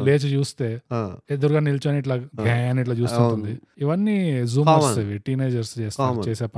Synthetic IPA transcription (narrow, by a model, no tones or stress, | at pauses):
leːt͡ʃt͡ʃuːst̪eːed̪uɾuɡaːnilt͡ʃaniʈ̬laːɡʱaːɐniʈ̬laːt͡ʃuːt̪unt̪und̪iiʋɐnːizuːmuseʋeʈːiːneːd͡ʒɐɾst͡ʃeːstːt͡ʃeːseːp